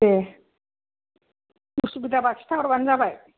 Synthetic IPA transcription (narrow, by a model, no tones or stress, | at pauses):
e | usubid̪ʱabatʃt̪ʰaɔɾband͡zabaj